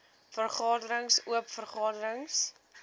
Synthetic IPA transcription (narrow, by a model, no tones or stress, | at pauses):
fərχɑːdəɾəŋsuəpfərχɑːdəɾəŋs